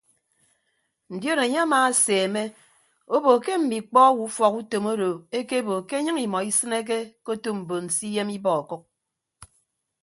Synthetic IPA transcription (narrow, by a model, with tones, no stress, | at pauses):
n̩˨djo˦ɾe˨ɲe˦a˦maː˨a˦seː˨me˦ | o˦bo˨ke˦m̩˨mi˨k͡pɔ˦wu˨˦fɔ˨ku˦to˨mo˦ɾo˨e˦ke˦bo˨ke˦ɲɨ˦ŋi˨mɔ˨i˦sɨ˦ne˦k̬e˦ko˦to˦m̩˨bo˨n̩˨si˦je˦mi˦bɔ˨ɔ˨ku˦k̚